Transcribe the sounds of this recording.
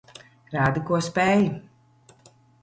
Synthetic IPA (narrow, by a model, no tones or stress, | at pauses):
ɾaːd̪ɨkuɔspɛj